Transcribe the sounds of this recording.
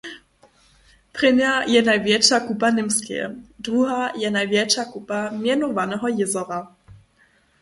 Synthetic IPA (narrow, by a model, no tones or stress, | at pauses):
pʁɪnjajɛnajvjɛt͡ʃakupanɪmskɛ̰dʁuɦajɛnajvjɛt͡ʃakupamjɛnɔvanɛɦɔjɪzɔɾa